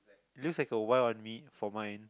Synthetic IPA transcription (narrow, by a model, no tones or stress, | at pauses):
itlukslaɪkəwaɪlɔ̃nmit̚fɔmãjn